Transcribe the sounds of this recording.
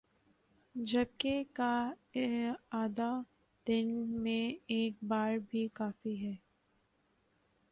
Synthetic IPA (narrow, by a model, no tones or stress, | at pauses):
d͡ʒɐb̚keka | aːd̪a | d̪̥ɪnmẽeːk̚baːɾbʱikaːfiɦɛː